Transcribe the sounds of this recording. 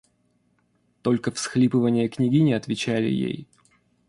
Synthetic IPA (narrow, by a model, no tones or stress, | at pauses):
t̪o̞lʲkəfsxlʲipɨvənʲɪjəknʲɪɡʲinʲɪɐt̪vʲɪt͡ɕælʲɪ̰jḛj